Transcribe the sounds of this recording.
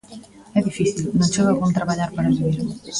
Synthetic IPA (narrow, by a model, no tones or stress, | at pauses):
ɛðifiθilnõnt͡ʃeβalɣunt̪ɾaβaʎaɾpaɾaβiβiɾ